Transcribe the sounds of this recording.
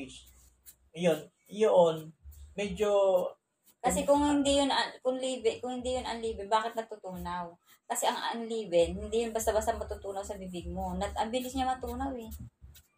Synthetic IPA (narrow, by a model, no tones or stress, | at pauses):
s | jon | joʔonmɛd͡ʒo | kɐsɛkʊŋhɪnd̪ijʊnɐkʊŋliːbɛkʊŋhɪnd̪ijʊnɐnliːbɪnbaːkɪt̪̚nɐɡ̚t̪ʊt̪uːnaw | kɐsɛʔɐŋʔɐ̰nliːbɛnhɪnd̪ijʊnbɐst̪abɐst̪aɐmɐt̪ʊt̪uːnɐwsɐbibɪɡ̚mo̞nɐʔɐmbɪlɪsɲɐmɐt̪uːnawɛ